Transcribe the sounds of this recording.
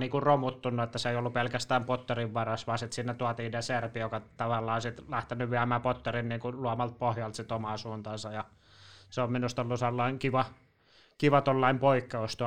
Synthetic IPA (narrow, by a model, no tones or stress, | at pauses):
niːkurromut̪ːunːuet̪ːæseeiolːupelkæst̪æːmpot̪ːoriʋʋɑrɑsʋɑːsit̪sinːet̪uɑt̪iːneserpijokɑt̪ɑʋɑlːɑːsit̪læht̪enyʋiæmæːpot̪ːorinniːŋkuluɑmɑlt̪̚pohjɑlt̪sit̪omɑsuːnt̪ɑnsɑjɑ | seomminust̪olːuselːɑiŋkiʋɑ | kiʋɑt̪olːɑimpoikːɑost̪uɑ